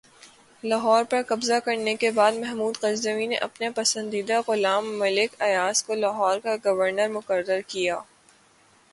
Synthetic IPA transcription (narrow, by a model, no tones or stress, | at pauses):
laɦɔːɾpɐɾkɐbzakɐɾnekebaːd̪mɛɦmuːd̪qɐzd̪əʋinḛʔɐpnapɐsə̃nd̪iːd̪aɣʊlaːmːɐlɪkɐjaːskolaɦɔːɾkaɡɐʋəɾnəɾmʊqəɾːəɾkijaː